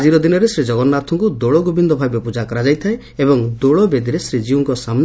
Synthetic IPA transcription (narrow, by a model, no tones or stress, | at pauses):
d͡ʒiɾɔd̪inɔɾesɾid͡ʒɔɡɔnːat̪ʰɔŋkud̪oɭɔɡubind̪ɔbʱabjɔpud͡ʒakɔɾad͡ʒajt̪ʰae | ebɔŋd̪oɭɔbed̪iɾesɾid͡ʒiuŋkɔsamn